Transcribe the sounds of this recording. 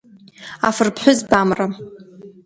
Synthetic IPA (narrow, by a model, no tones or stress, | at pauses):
a̰fɨrpʰħʷᶣʊzbamra